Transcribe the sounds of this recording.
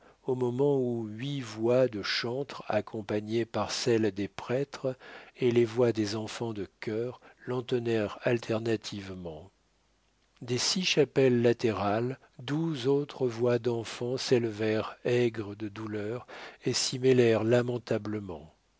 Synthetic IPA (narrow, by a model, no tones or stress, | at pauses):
omɔmɑ̃uɥivwad̪əʃɑ̃t̪χa̰kʰɔ̃paɲepaʁsɛld̪epχɛt̪χelevwad̪ezɑ̃fɑ̃d̪əkʲœʁlɑ̃t̪ənɛʁalt̪ʰɛʁnat̪ʰivmɑ̃ | d̪esiʃapɛlːat̪eʁal | d̪uzot̪χəvwad̪ɑ̃fɑ̃sɛləvɛʁɛɡʁəd̪əd̪ulœʁesimɛlɛʁlamɑ̃t̪abləmɑ̰̃